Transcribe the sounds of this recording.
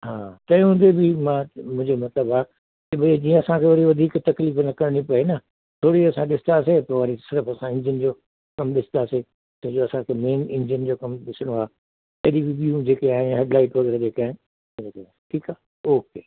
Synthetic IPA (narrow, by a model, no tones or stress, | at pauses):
ɦãːt̪ɐ̃j̃ɦʊ̃nd̪ebʱimãmʊ̃ɦɪ̃d͡ʑemɐt̪ləbaː | t̪iɓɐed͡ʑiːə̃ɐsãkʰeʋɐɾiʋɐd̪ʱiːkt̪ɐkliːfnɐkɐɾɽ̃ipɐenɐ | t̪ʰoːɽiɐsãɗɪsɪ̥nasepɐʋaːɾisɪɾəfɐsãɪ̃ɲd͡ʑənd͡ʑoː | kɐmɗɪsɪnd̪aːse | t̪ɐɦd͡ʑoɐsãkʰemeːnɪ̃ɲd͡ʑənd͡ʑoːkɐmɗɪsɽ̃oaː | ɐːɗiʋibiũd͡ʑeːkeaːɦẽnɦeːɖlaːɪʈʋɐɣɛːɾed͡ʑeːkaːɦɪn | eka | ʈʰiːkaː | oːkeː